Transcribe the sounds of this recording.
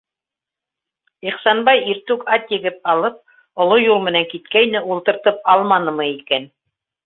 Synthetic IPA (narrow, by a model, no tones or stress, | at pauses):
iχsɑnbɑjiɾt̪ʉkɑt̪jɘ̆ɡɘp̚ɑlˠɤp̚ | ŏlˠojulˠmɘ̆næŋkit̪kæjnɘʔulˠt̪ɤ̆ɾt̪ɤp̚ɑlˠmɑnɤ̆mɤikæn